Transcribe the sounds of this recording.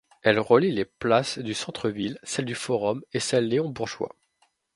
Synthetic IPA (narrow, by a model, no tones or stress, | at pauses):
ɛlʁəlileplasd̪ysɑ̃t̪χəvilsɛld̪yfɔʁɔmesɛlːeɔ̃buʁʒwa̰